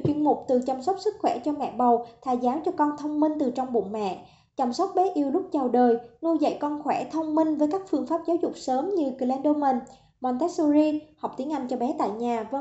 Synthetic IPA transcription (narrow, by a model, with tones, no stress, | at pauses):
t͡ɕwi˧ənmʊ˨˩k͡p̚t̪ɨ˨˩t͡ɕa˧msɔ˦˥k͡p̚sɨ˦˥k̚xwɛ˧˩t͡ɕɔ˧mɛ̰˧˨ɓə˨˩wt̪ʰaː˨˩zaː˨˦wt͡ɕɔ˧kɔ˧nt̪ʰə˧wŋ͡mmï˧ŋt̪ɨ˨˩t͡ɕɔ˧wŋ͡mɓʊ̰˧˨ŋmɛ̰˧˨ | t͡ɕa˧˩msə˦˥k͡p̚ɓɛ˨˦ʔi˧əwlʊ˦˥k͡p̚t͡ɕa˨˩wɗəː˨˩jnu˧jzə̰˧˨jkɔ˧nxwɛ˧˩t̪ʰə˧wŋ͡mmï˧ŋvəː˨˦jkaː˦˥k̚fɨ˧əŋfaː˦˥p̚zaː˨˦wzʊ˨˩k͡p̚səː˨˦mɲɨ˧ki˨˩lɛ˧nɗo˧mə˨˩n | mwa˧nt̪ɛ˦˥su˧zi˧hɔ˨˩k͡p̚t̪i˨˦əŋʔa˧jnt͡ɕɔ˧ɓɛ˨˦t̪a̰ː˧˨jɲaː˨˩və˧